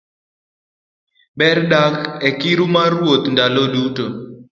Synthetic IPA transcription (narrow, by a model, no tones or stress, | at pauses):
bɛrɗakɛkiɾumaɾwot̪ndaloluto